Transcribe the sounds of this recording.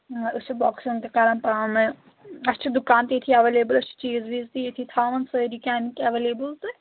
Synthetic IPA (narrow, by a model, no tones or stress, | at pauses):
ɨt͡ʃʰibɔːksĩŋk̪ekaːɾɐnpaːnɨ | ɐst͡ʃʰid̪ukaːnt̪iet̪ʰiɐʋeːleːbɨlɐst͡ʃʰi̥t͡ʃiːzbiːzt̪ijet̪ʰit̪ʰaːʋɐnsəɾikʲaːmikɐʋeːleːbəlt̪ɨ